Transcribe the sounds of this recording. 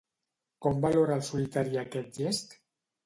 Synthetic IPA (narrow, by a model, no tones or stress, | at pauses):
kombaloɾalsolit̪aɾiaket̪̚ʎest̪